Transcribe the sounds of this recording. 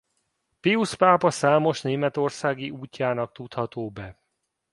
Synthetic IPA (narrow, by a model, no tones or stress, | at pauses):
piuspaːpɒsaːmo̞ʃneːmɛt̪o̞rsaːɡiʔuːcːaːnɒk̚t̪ut̪hɒt̪oːbɛ